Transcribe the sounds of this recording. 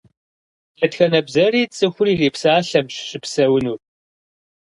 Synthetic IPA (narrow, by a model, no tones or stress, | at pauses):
tʰɐtxɐnɐbzɐriːt͡sʼɨxʷʊriːreːpsaːɬɐmɕɕɪpsɐwʊnuːr